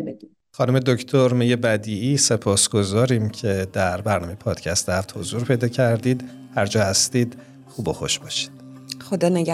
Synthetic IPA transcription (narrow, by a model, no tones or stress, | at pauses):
xɒnume̞d̪oct̪ʰoɾmejebæd̪iːiːse̞pʰɒːsɡ̥o̞zɒːɾiːmcʰe̞d̪æɾbæɾnɒ̰mejepʰɒːd̪̥cʰæst̪ehæft̪ho̞zuːɾpʰe̞jd̪ɒːcʰæɾd̪iːd̪ | hæɾd͡ʒɒːhæst̪iːd̪ | χuːboxo̰ʃbɒːʃi̥d̪̥ | xod̪ɒːneɡ